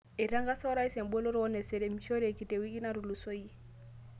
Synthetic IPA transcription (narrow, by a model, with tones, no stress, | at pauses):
e˨ɾa˦ŋɡa˦sɔ˦ɾa˦i˦sɛ˨mbu˦e˦lo˦ɾɔ˦nɛ˨sɛ˨ɾe˨mi˨ʃo˦ɾe˨ki˨te˨wi˦ki˦na˦ɾu˨lu˨so˦ji˦